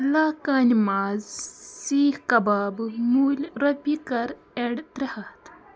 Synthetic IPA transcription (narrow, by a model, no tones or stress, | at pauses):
laːkaːnimaːzsiːhkɐbaːbmuːlʲɾɐpikɐɾ | eɽt̪ɾehɐt̪